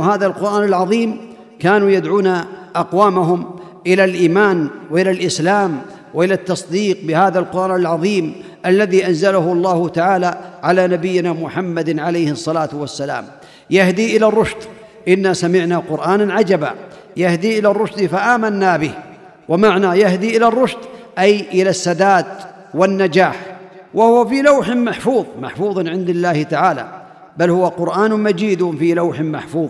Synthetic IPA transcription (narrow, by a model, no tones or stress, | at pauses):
ɦaːðalqʊɾʔaːnalʕɑðˤiːm | kaːnuːjad̪ʕuːnaʔɑqwaːmaɦʊm | ʔɪlalʔiːmaːnwɪʔɪlalʔɪslaːm | wɪʔɪlat̪ːɑsˤd̪iːq̚bɪhaːðalqʊɾˤʔaːnalʕɑðˤiːm | ʔalːaðiːʔanzalahʊɑlˤːɑːhʊt̪aʕaːlaːʕalaːnabɪjːɪnaːmʊħamːad̪ʕalajhsˤːɑlaːt̪wasːala̰ːm | jahd̪iːʔɪlarˤːʊʃd̪ | ʔɪnːasamɪʕnaqʊɾʔaːnaʕad͡ʒaba̰ | jahd̪iʔɪlarˤːʊʃd̪faʔaːmanːabɪh | wʔamaʕnajahd̪iʔɪlarˤːʊʃd̪ʔajʔɪlasːad̪aːd̪ | wɪnːad͡ʒaːħ | wʔahʊwafilawħɪmaħfuːðˤma̰ħfuːðˤnʕɪnd̪ɪlːaːhɪt̪aʕaːla̰ | balhʊwaqʊɾʔaːnmad͡ʒiːd̪filawħɪmaħfuːðˤ